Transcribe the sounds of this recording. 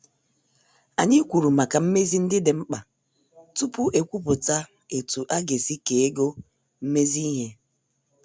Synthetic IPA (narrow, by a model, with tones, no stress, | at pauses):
a˨ɲɪ˦kʷu˨ɾu˨ma˨ka˨m̩˦me˦zi˦n̩˦dɪ˦dɪ˨ŋ͡m̩˦k͡pa˨ | tu˦pʊ˦ʔe˨kʷu˦pʊ˨ta˦ | e˨tu˨ʔa˦ɡe˨si˦ke˨e˦ɡo˦ | m̩˦me˦zi˦i˦ɦe˦